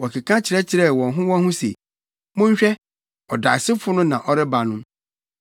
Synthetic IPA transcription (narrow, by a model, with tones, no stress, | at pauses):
wɔ˨kʰɪ˨kʰã˦t͡ɕʰɪ˨ɾɛ˦t͡ɕʰɪ˨ɾɛ˦˨wɔ̃˨nɦʊ̃˦wɔ̃˦hʊ̃˦sḛ˨ | mʊ̃˦ɲ˦ɕᶣɛ˦ | ɔ˨da˨sɪ˦fʊ˦nʊ̃˦nã˨ʔɔ˦ɾɪ˦ba˨nʊ̃˦m